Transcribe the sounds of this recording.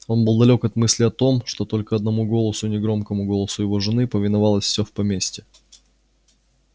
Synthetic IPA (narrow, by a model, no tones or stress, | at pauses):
o̞nbɨlˠd̪ɐlʲo̞kɐt̪mɨsʲlʲɪɐt̪o̞mʂt̪o̞t̪o̞lʲkəɐd̪nɐmuɡo̞lˠəsʊnʲɪɡɾo̞mkəmʊɡo̞lˠəsʊjɪvo̞ʐɨnɨpəvʲɪnɐvɑlˠəsʲfsʲɵfpɐmʲesʲtʲɪ